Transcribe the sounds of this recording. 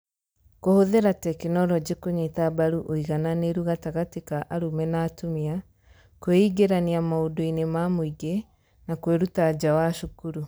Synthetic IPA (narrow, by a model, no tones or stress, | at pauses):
kohoðeɾatɛkinɔɾɔd͡ʑekoɲetabaɾuʔoiɣananeɾuɣataɣatikaʔaɾumɛnaːtumia | kweiɡeɾaniamaodoinemamoiɡe | nakweɾutad͡ʑawaʃokuɾu